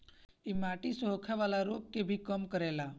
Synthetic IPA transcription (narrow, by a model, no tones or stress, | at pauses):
imaʈisɔɦkʰaʋalaɾop̚kebʱikəmkəɾela